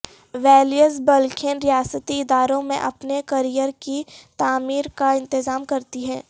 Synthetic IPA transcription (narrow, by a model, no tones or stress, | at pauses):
ʋɛːljəsbɐlkʰenɾijaːsət̪iɪd̪aːɾõmḛ̃ʔɐpnekɐɾijəɾkit̪aːmiːɾkaɪ̃nt̪ɪzaːmkɐɾt̪iɦɛ̃ː